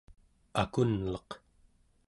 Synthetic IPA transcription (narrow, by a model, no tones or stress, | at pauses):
akunlɑq